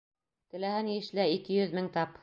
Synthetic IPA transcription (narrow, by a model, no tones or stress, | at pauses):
t̪ɘ̆læhænjɘ̆ʃlæikɘjɵðmɘŋt̪ɑp